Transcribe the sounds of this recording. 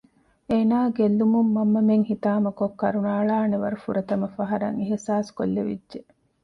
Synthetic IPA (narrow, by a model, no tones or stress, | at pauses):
eːnaːɡelːumumːɐmːɐmeŋhit̪aːmɐkokːɐɾunaːɭaːneʋɐɾufuɾɐt̪ɐmɐfɐɦɐɾɐ̰ŋiɦisaːsko̰lːeʋḭdʒe